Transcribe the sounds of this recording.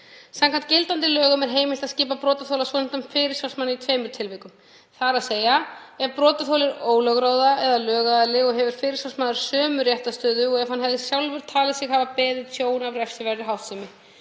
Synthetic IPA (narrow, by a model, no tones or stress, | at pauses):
sãmkʰant̪cɪlt̪ant̪ɪlœːɣʏmɛɾ̥ɦeːjmɪl̥t̪aðscɪːpapɾɔːt̪aθowlasvɔnɪnt̪amfɪɾɪɾ̥sjalsmanːɪit̪ʰveːjmʏɾ̥t̪ʰɪlvɪkʏm | θaɾaðseːjaɛvpɾɔːt̪aθowlɪɾoːwlœɣɾoːwðaɛðalœːɣaðalɪɔɣɦɛvʏɾ̥fɪːɾɪɾsalsmaːðʏɾ̥sœːmʏɾjɛht̪ast̪œːðʏɔɣɛvhanɦɛvðɪsjawlvʏɾ̥t̪ʰaːlɪsɪɣhaːvapɛːðɪsʰjoːwnavɾɛfsɪvɛrɪɦawht̪sɪmɪ